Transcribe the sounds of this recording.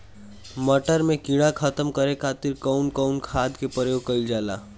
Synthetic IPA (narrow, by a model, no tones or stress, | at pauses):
məʈəɾmẽkiɽakʰət̪əmkəɾekʰaːt̪ɪɾkɔʊnkɔʊnkʰaːd̪kepəɾeokəɪld͡ʒaːla̰ː